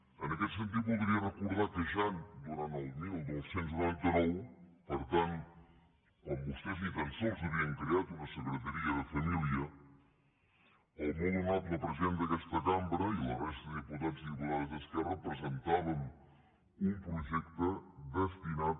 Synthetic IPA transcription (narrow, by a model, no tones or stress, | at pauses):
ənəkɛt̪sənt̪̬it̪̚bulˠd̪ɾiərəkuɾðakəʃand̪uɾanəlˠmilˠd̪owsenznant̪ənopəɾt̪ant̪ | kombust̪ɛzðifənsowzəβiəŋkɾeat̪unəsəɣɾət̪əɾiəðəfəmiliə | əlˠmonnat̪ləpɾəzend̪əkɛst̪əkambɾəilə̰rɛst̪əðiput̪aziiβulaɾzðəskɛarəpɾəzənt̪aβəm | umpɾuʒɛkt̪əd̪əst̪inat̪̚